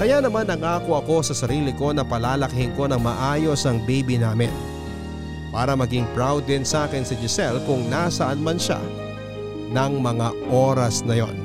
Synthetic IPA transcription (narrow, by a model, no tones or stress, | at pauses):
kɐjanɐmanːɐŋaːkoʔɐko̞sɐsɐɾiːlɪko̞nɐpɐlaːlɐkɪhɪnko̞nɐŋmɐʔaːjo̞sɐŋbejbinaːmɪ̰n | paːɾɐmɐɡɪŋpɾawd̪ɪnsaːkɪnsɐd͡ʒɪsɛlkʊŋnasɐʔɐnmɐnʃa̰ | nɐŋmɐŋaʔo̞ːɾɐsnɐjo̞̰n